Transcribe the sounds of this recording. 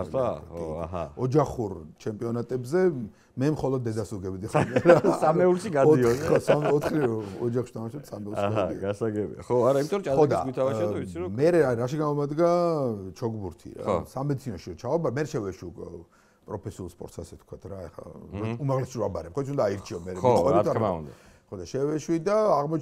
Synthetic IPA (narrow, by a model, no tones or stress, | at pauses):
ɦɔd͡ʒaχuɾt͡ʃʰɛmpʼiɔnat̪ʼɛbzɛ | mɛmχɔlˠɔd̪̚ːɛd̪asuɡɛbd̪iχand̪asamɛuɾʃiɡadɔiɔsamɔt̪ʰχiɾɔɔd͡ʒaχʃi̥t̪ʰamaʃɛt̪samɛulʃɡaaḭɡasaɡɛbḭa̰χɔaɾaimit̪ʼɔɾɔt͡ʃʼaɔd̪asɡwit̪ʰamaait̪sʰiɾɔmɛɾɛaɾaʃiɡamɔmad̪ɡat͡ʃʰɔɡbuɾt̪ʰḭɾa̰samɛd̪isʰinɔʃiɾɔt͡ʃʰaɔbaɾmɛɾɛʃɛvɛʃwiukʼɛ̰ | pʼɾɔpʰɛsiulˠspʼɔ̰ɾt̪sasɛt̪kʰwat̪ʰɾaɛχa̰umaʁlɛsiɾɔabaɾɛpχɔit̪sʰund̪aaiɾt͡ʃʰiɔmɛɾɛɔwɛɾit̪ʰaɾaṵnd̪aχɔd̪aʃɛvɛʃwid̪aːʁmɔt͡ʃ